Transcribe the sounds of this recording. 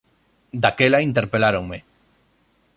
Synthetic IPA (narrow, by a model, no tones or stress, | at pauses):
d̪akelaint̪eɾpelaɾoŋme